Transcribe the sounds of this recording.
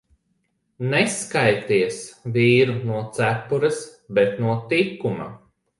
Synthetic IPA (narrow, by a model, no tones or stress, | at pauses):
nɛskajt̪iɛsviːɾunuɔt̪sæpːuɾɐsbet̪nuɔt̪ikːuma̰